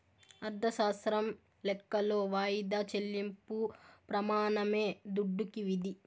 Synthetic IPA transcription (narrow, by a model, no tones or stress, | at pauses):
ɐɾd̪ʱɐʃaːst̪ɾɐm | lɛkːɐlo̞ːʋaːjid̪aːt͡ʃelːimpupɾɐmaːnɐme̞ːd̪uɖːukiʋid̪i